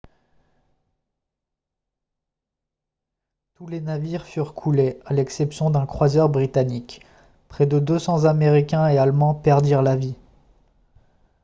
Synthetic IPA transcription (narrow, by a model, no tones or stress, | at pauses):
t̪ulenaviʁfyʁkʰulealɛksɛpsjɔ̃d̪ɛ̃kχwazœʁbʁit̪anik | pχɛd̪əd̪øsɑ̃zameʁikʲɛ̃ealmɑ̃pɛʁd̪iʁlavi